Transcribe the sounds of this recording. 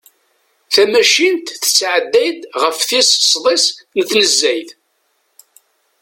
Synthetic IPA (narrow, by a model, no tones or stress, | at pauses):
θæmæʃint̪θə̥t͡sːʕəd̪ːæjd̪ʁəfθissˤðˤɪsnəθnəzːæjθ